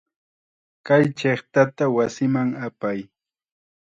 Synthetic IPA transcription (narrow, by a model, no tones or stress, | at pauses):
kajt͡ʃeχt̪at̪awasɪmaŋapaj